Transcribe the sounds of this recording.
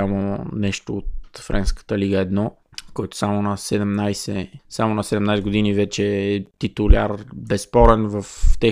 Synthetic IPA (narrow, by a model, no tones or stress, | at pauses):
amonɛʃt̪oːt̪̚fɾɛnskə̥t̪əliɡəɛd̪nɔ | kɔjt̪o̥samonɐsɛd̪ɛmnajsɛsamonɐsɛd̪ɛmnajs̬ɛɡod̪inivɛt͡ʃɛːt̪it̪ʊlʲa̰ɾbɛspɔɾɛnvəft̪ɛ